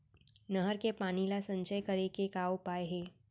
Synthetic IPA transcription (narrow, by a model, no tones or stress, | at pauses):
nəɦəɾkepaːnilasɐ̃ɲt͡ʃəjkəɾekekaːopaːeɦeː